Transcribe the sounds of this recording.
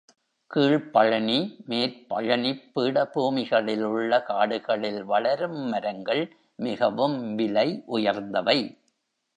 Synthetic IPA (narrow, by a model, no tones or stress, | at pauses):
kiːɭpɐɻɐnimeːɾpɐ̰ɻɐnipːiːɽɐbuːmɪɣɐɭɪlʊɭːɐkaːɽɯɣɐɭɪlʋɐɭɐɾɯmːɐɾɐŋɡɐɭ | mɪɣɐʋɯmʋɪlɐɪʔʊjɐɾnd̪ɐʋɐɪ